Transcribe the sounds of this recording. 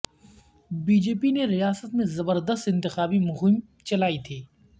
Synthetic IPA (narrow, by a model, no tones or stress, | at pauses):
biːd͡ʒeːpineɾijaːsət̪mẽzɐbəɾd̪əst̪ɪ̃nt̪ɪxaːbimʊɦim | t͡ʃɐlaːit̪ʰiː